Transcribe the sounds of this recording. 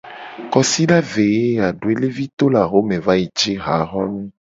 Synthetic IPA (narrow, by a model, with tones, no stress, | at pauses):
kɔ˨si˦ɖa˦ve˨je˦a˨ɖu˨e˦le˦vi˦t̪o˦la˨ɦo˦mẽ˨va˦ji˨d͡ʒi˦ɦa˨˦ɣɔ˦nũ˦